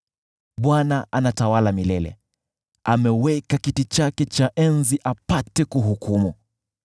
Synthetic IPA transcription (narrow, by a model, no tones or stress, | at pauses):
ɓwanaʔanatawalamilɛlɛ̰ | amɛwɛkakitit͡ʃakɛt͡ʃaʔɛnziʔapatɛkuɦukumu